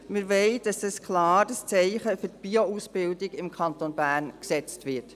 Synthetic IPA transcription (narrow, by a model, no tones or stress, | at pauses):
mɪɾʋɛɪd̥ɑsdəskʰlɑːɾdəst͡sɛɪχəfʏɾt̚b̥iousb̥ɪldɪɡɪmkʰɑntonbæːɾnksɛt͡stʋɪt